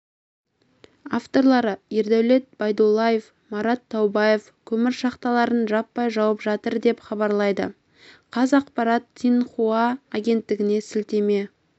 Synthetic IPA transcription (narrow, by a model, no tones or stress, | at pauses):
aft̪o̞ɾlˠɑɾəeɾd̪æwle̞t̪̚bɑjd̪olˠːaje̞f | mɑɾɑt̪ʰːɑwbɑje̞f | kʲʰɵmɪɾʃɑqt̪ɑlˠɑɾənʒɑpːɑjʒɑwəpʒɑt̪əɾd̪e̞pχɑbɑɾlˠɑjd̪ə̰ | qʰɑzɑqpɑɾɑt̪ːʰijnχuɑːɡʲe̞nt̪ːɪɡʲɪne̞sɪlt̪e̞me̞